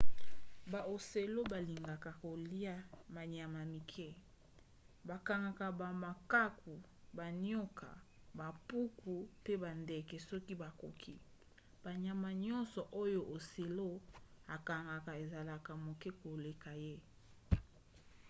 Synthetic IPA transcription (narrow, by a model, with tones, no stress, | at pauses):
ba˨o˨se˨lo˦ba˨li˨ŋɡa˨ka˨ko˨li˦a˦ma˨ɲa˨ma˨mi˨kʰɛ˦ | ba˨ka˨ŋɡa˨ka˨ba˨ma˨ka˦ku˨ | ba˨n˦o˦ka̰˨ | ba˨pu˦ku˨pe˦ba˨nde˨kɛ˨sɔ˦ki˦ba˨ko˨kʰi˦ | b̥a˨ɲa˨ma˨ɲɔ̃˦nsɔ˨ʔo˦jo˦ʔo˨se˨lo˦a˨ka˨ŋɡa˨ka˨e˨za˨la˨ka˨mo˨kɛ˦ko˨le˨ka˨je˦